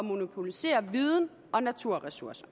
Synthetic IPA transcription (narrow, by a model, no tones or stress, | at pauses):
ɒmo̝nopʰo̝lise̝̰ːɐʋiːð̞ˠn̩ | ɒ̽næt͡sʰuɐ̰ʁɛsuɐsɐ̥